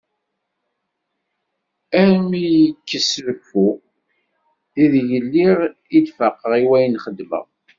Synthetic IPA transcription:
æmijəkːəsvəkːu | iðʝəlːiʁ | id̪fəqːəʁiwæjənχəd̪mə̰ʁ

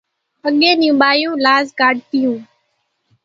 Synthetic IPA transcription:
əɠẽːnijũːɓaːjũːlaːzkaːɖ̚t̪ɪjũː

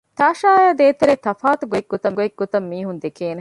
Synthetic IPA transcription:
t̪aːʃaːjaːd̪eːt̪eɾet̪ɐfaːt̪uɡoeɡ̚ːot̪ɐɡoeɡ̚ɡːot̪ɐmːiːɦund̪ekʰeːne

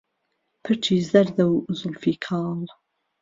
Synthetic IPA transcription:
pʰɨɾt͡ʃʰiːzɐɾd̪ɐwzʊlfiːkʰɑːl

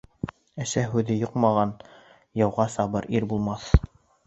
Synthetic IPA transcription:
æʃæɦʉðɘjoqmɑʁɑn | jɑwʁɑsɑβɤɾʔiɾbulˠmɑθ

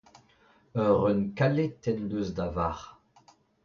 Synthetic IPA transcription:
œʁœnkalet̪ɛnløzd̪avaʁ

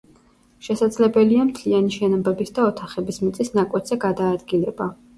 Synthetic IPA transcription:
ʃɛsad̪zlɛbɛliamt̪ʰlianiʃɛnɔbɛbisd̪aɔt̪ʰaχɛbismit̪sʼisnakʼwɛt̪z̥ɛɡad̪aːd̪ɡilɛba

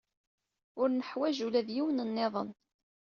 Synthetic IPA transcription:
ʊɾnəħwæʒulæðjiwənənːeðˤən

